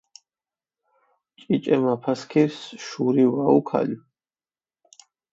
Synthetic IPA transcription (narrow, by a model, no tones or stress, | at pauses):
t͡ʃʼit͡ʃʼɛmapʰaskʰiɾsʃuɾiwaukʰa̰li